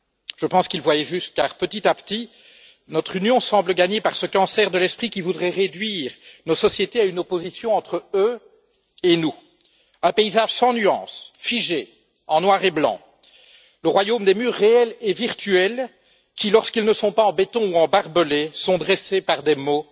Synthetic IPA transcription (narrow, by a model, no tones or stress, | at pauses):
ʒ̥əpɑ̃skilvwajɛʒyst̪̚kaːʁpət̪it̪apt̪i | nɔt̪χynjɔ̃sɑ̃bləɡaɲepaʁsəkɑ̃sɛʁd̪əlɛspχikʲivud̪ʁɛʁed̪ɥiːʁnosɔsjet̪eaynopozisjɔ̃ɑ̃t̪χəø | enu | ɛ̃peizaʒ̥sɑ̃nyɑ̰̃ːsfiʒe | ɑ̃nwaʁeblɑ̰̃ | ləʁwajomd̪emyːʁːeɛlɛviʁt̪yɛl | kʲilɔʁskilnəsɔ̃paɑ̃bet̪ɔ̃uɑ̃baʁbəlesɔ̃d̪ʁesepaʁd̪emo